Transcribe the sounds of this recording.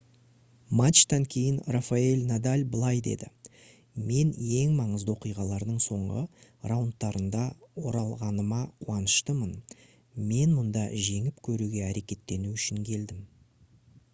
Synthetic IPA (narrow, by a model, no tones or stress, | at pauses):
mat̪t͡ʃːt̪ɑŋkʲʰe̞jɪnrafaelʲnad̪alʲbəlˠɑjd̪e̞̰d̪ɪ | me̞nje̞ŋmɑɴəzd̪əwo̞qijʁɑlˠɑɾd̪əɴso̞ɴʁə̰rawnt̪ːɑɾənd̪ɑwo̞ɾɑlˠʁɑnəmɑqʰuɑnəʃt̪əmən | me̞nmʊnd̪ɑʒe̞ŋɪpkʲʰɵɾuɡʲe̞æɾe̞kʲe̞t̪ːe̞nuʏʃɪŋkʲʰe̞ld̪ɪm